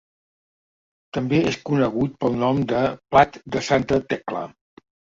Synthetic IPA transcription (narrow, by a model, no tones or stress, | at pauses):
t̪əmbeeskunəɣ̞ut̪̚pəlˠnɔmd̪əplat̪d̪əsant̪ət̪ɛklə̰